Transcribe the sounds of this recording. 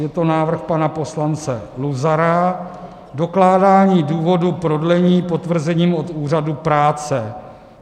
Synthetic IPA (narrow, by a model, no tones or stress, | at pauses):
jɛt̪o̞naːvr̩xpanapo̞slant͡sɛluzaɾa | do̞klaːdaːɲiːduːvo̞dupɾo̞dlɛɲiːpo̞t̪vr̩zɛɲiːmot̪uːr̝adupɾaːt͡sɛ